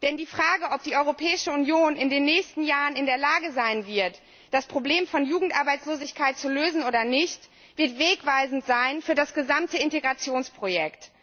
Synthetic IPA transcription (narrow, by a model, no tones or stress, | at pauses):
d̥ɛndiːfʁ̥aːɡəʔɔp̚d̥iːʔɔʏʁopʰɛːɪʃəunjoːnɪndeːnːɛːçstn̩jaːʁənɪndeːɐlaːɡəzaɪnvɪɐt | d̥aspʁ̥obleːmfɔnjuːɡŋ̩tʔaɐbaɪt͡sloːzɪçkʰaɪt̚t͡suløːzn̩ʔoːdɐnɪçt | v̥ɪɐtv̥eːkv̥aɪzn̩tz̥aɪnfyːɐdasɡ̥əzamtəɪnteɡʁat͡sjoːnspʁ̥ojɛkt